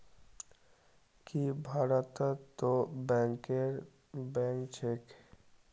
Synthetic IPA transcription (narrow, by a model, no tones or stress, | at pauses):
kibʱaɾat̪at̪obɛŋkeɾ | bɛ̃ŋkt͡ɕʰek